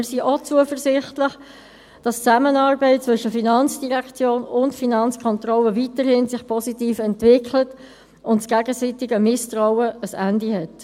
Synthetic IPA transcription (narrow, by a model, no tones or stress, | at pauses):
ɪɾsiʔot͡suəfəɾsɪχtlɪχ | d̥ɑst͡sæmənɑːɾbɛɪt̚t͡sʋɵʃəfinɑnt͡sd̥iʁækt͡sjoːnʊntfinɑnt͡skʰɔntrɔlːəvitəɾhɪnsɪχpʰɔsitiːfɛntvɪkʰlət | ʊntsɡ̥æɡəsitɪɡəmɪstɾaʊəəsændihɛt